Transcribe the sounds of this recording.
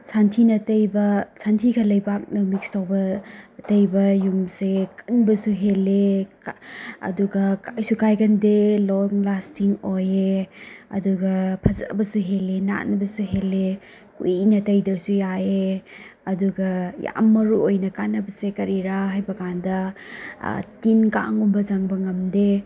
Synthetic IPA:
sʰantʰinɐtɐjbɐsʰantʰikʰɐlɐjbak̚nɐmik̚stawbɐtɐjbɐjumsekɐ̥nbɐsuɦele | ɐ̰duɡɐkajsukajɡɐndelɔŋlastʰiŋojeɐ̰duɡɐpʰɐza̰bɐsuɦelena̰nbɐsuɦele | kunɐtɐjdɐɾsujaeɐduɡɐja̰mːɐɾuojnɐkanɐbɐsekɐɾiɾaɦajbɐkandɐ̰ | tinka̰ŋumbɐzaŋbɐŋɐmde

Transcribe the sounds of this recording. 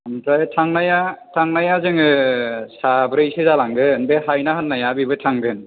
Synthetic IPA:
antajtʰaŋnajatʰaŋnajazɯŋɯsabɾɯjsɯzalaŋɡɯnbeɦajnaɦɯnːajabibɯtʰaŋɡɯn

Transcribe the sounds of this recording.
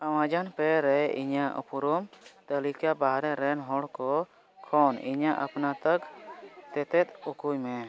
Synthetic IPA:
aw̃ãd͡ʒanpɛɾɛḭɲaʔɔ̰puɾɔmt̪əlikabaɦɾɛɾɛnɦɔɽkɔ | kʰɔniɲaʔapnat̪əkt̪ɛt̪ɛt̪̚ukujmɛ

